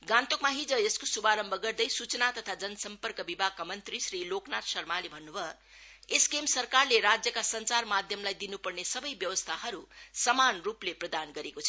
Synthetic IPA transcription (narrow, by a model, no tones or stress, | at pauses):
ɡãnt̪okmaɦid͡zʌeskosubaɾʌmbʱʌɡʌrd̪ʌjsut͡sʌnat̪ʌt̪ʰad͡zʌnʌsʌmpʌrkʌbibʱaɡ̚kamʌnt̪risriloknat̪sʌrmalebʱʌnːubʱʌ | eskemsʌrkarleɾad͡zjʌkasʌnt͡sarmad̪ʱjʌmlajd̪inupʌrnesʌbʌjbjʌwʌst̪ʰahʌɾusʌmanrupleprʌd̪anɡʌɾekot͡sʰʌ